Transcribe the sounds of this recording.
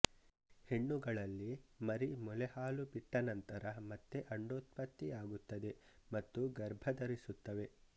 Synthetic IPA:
he̞ɳːuɡɐɭɐlːimɐɾimɔlɛhaːlubiʈːɐnɐnt̪ɐɾɐmɐt̪ːeʔɐɳɖoːt̪̚pɐt̪ːiaːɡut̪ːɐd̪e̞mɐt̪ːuɡɐɾbʱɐd̪ɐɾisut̪ːɐʋe̞

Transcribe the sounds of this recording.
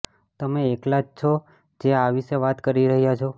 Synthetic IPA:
t̪əmeːklad͡ʒt͡ʃʰo | d͡ʒeaʋiʃeʋat̪kəɾiɾəɦjat͡ʃʰo

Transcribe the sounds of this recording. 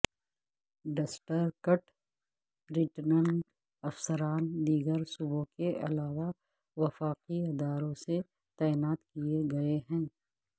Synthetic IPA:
ɖɐsʈəɾkəʈ | bɾɪʈnə̃ɳɖ | ɐfsəɾaːnd̪iːɡəɾsubõkeʔɐ̰laːʋa | ʋɐfaːqiɪd̪aːɾõse | t̪aːɪnaːt̪kieɡɐeɦɛ̃ː

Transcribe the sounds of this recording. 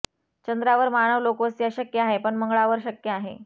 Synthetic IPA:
t͡ɕənd̪ɾaʋəɾmaɽ̃əʋlokʋəst̪ijaɕəkjəaɦepəɳməŋɡɭaʋəɾɕəkjəaɦḛ

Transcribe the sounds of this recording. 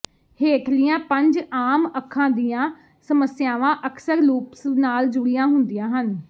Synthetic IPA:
heːkʰlijãːpəɲd͡ʒaːməkʰːãːd̪ijãː | səməsɪjaːʋãːʔəksəɾluːpsnaːld͡ʒʊɽijãːɦʊnd̪ijãːɦən

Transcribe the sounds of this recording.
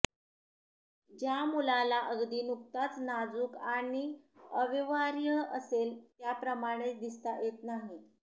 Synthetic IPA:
d͡ʑjamulalaʔəɡd̪iːnuk̚t̪at͡snad͡zuːkaɽ̃iəʋiʋaɾjəəselt̪japɾəmaɽ̃et͡sd̪ist̪ajet̪naɦi

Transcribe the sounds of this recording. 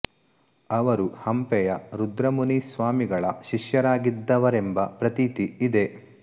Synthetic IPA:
ɐʋɐɾuhɐmpɛjɐɾud̪ɾɐmunisʋaːmiɡɐɭɐʃiʃjɐɾaːɡid̪ːɐʋɐɾembɐpɾɐt̪it̪iid̪e̞

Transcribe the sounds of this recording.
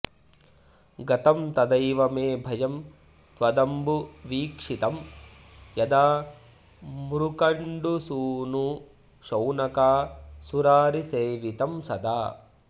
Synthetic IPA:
ɡɐt̪ɐmt̪ɐd̪ɐjʋɐmeːbʱɐjɐm | t̪ʋɐd̪ɐmbuʋiːkʂit̪ɐm | jɐd̪aː | mɾukɐɳɖusuːnu | ʃɐwnɐkaːsuɾaːɾiseːʋit̪ɐmsɐd̪aː

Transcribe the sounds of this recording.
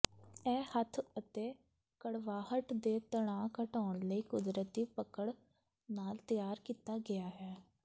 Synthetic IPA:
ɛːhət̪ʰət̪eː | kəɽʋaːhəʈ̪d̪eːt̪əɽ̃ãːkəʈɔːɳləiːkʊd̪ɾət̪iːpəkəɽ | naːlt̪əjaːɾkiːt̪aːɡɪjaːɦɛː

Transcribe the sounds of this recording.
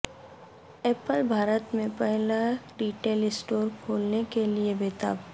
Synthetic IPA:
eːpəlbʱaːɾət̪mẽpɛɦlaɖiːʈeːlɪsʈoːɾkʰoːlnekeliebeːt̪a̰ːb

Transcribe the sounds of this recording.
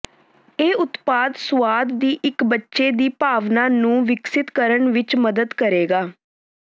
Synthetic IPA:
eːʊt̪paːd̪sʋaːd̪ːiːʔɪkbətːʃeːd̪iːpaːʋnaːnũːʋɪksɪt̪kəɾəɳʋɪt͡ʃməd̪əd̪kəɾeːɡaː

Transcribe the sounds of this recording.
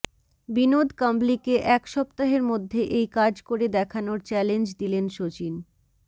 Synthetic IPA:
binod̪kamblikeʔɛkʃɔpt̪aɦeɾmod̪ʱːeʔejkad͡ʑkoɾed̪ɛkʰanoɾt͡ɕɛlend͡ʑd̪ilenʃot͡ɕin

